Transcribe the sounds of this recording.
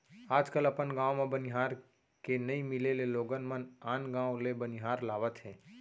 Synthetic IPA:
aːd͡ʒkəlɐpənɡãːwmẽbənɪɦaːɾ | kenɐimɪleleloːɡənmənaːnɡãːwlebənɪɦaːɾlaːʋət̪ɦɛ̃ː

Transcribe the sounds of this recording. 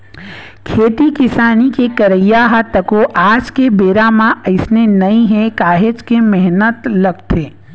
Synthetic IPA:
kʰeːt̪ikɪsaːnikekɐɾəjːaɦat̪ɐkoʔaːd͡ʒkebeːɾamãɐɪsnenɐĩɦɛkaːɦet͡ʃkemɛɦnət̪lɐɡ̚t̪ʰeː

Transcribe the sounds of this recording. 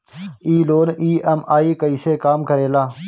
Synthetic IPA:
iːloːniːɛmaːiːkəiːseːkaːmkəɾeːlaː

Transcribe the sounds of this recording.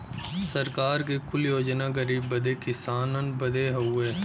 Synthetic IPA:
sɐɾkaːɾkekʊljoːd͡ʒnaɡəɾiːbːɐd̪ekɪsaːnənbɐd̪eɦɐeː

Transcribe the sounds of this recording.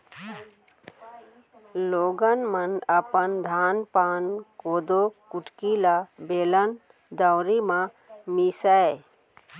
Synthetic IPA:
loːɡənmənəpənd̪ʱaːnpaːnkoːd̪okʊʈkilabeːlən | d̪əwɾimã | misə

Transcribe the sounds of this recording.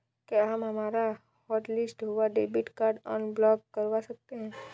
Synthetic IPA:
keɦəmɦɐmaːɾa | hɔːʈlɪsʈɦuʋaɖeːbɪʈkaːɾɖɔ̰ːnblɔːkːəɾʋasɐk̚t̪eɦɛ̃ː

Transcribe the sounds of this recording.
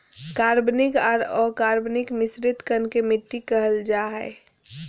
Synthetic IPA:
kaːɾbnɪkaːɾɔkaːɾbnɪkmɪsɾɪt̪kənkemɪʈːikəɦəld͡ʒaɦɛ̰ː

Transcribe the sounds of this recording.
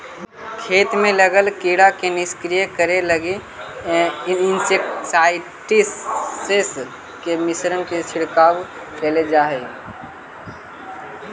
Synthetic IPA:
kʰeːt̪mẽləɡəlkiːɽakenɪskɾijəkəɾeləɡe | ɪnsekʈsaːɪ | ʈises | kemɪsɾənkesʰɪɽkaːw | t͡ʃəled͡ʒaːɦe

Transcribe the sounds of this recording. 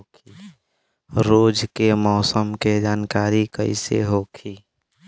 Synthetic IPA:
kʰi | ɾoːd͡ʒkemɔːsəmked͡ʒaːnkaːɾikəɪsḛɦoːkʰiː

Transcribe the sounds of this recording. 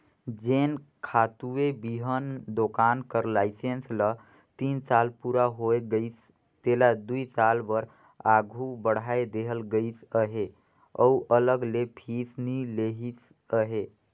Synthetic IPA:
d͡ʒeːnkʰat̪uebiɦənd̪okankəɾlaɪsenslə | t̪insalpuɾaɦoeɡəɪs | t̪elad̪uisalbəɾ | aɡʱubəɽ̤aed̪eɦəlɡəisəɦe | ɔ̰uʔələɡlepʰisnileɦis | əɦe

